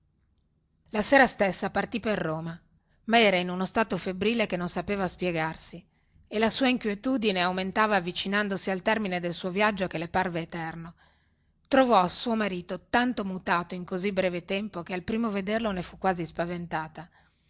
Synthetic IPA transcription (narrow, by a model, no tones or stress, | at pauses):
laseːɾast̪esːapart̪iperːoːma | maɛːɾainunost̪aːt̪ofebɾiːlekenːonsapeːvaspjeɡarsi | elasuːaiŋkwjet̪uːd̪ineawment̪aːvaːvːit͡ʃinand̪osialt̪ɛrmined̪elsuːovjad͡ʒːokeleparveːt̪ɛrno | t̪ɾovɔsuːomaɾiːt̪ot̪ant̪omut̪aːt̪oiŋkozibɾɛːvet̪ɛmpok̟ealpɾiːmoved̪erlonefukːwaːzispavent̪aːt̪a